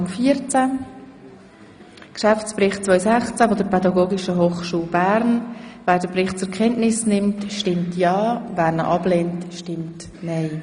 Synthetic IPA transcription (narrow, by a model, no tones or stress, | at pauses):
mfiəɾt͡sæ | kʃaft͡sprɪχtt͡svœʏsæχt͡sævodəɾpʰɛdɑɡoːɡiʃəɦoːχʃuːlbæːɾnvæːɾd̥əprɪχt̚t͡sʊkʰɛntnɪsnɪmtʃtɪmtʰjɑːvæːɾnəʔɑb̥leːntʃtɪmt | nɛɪ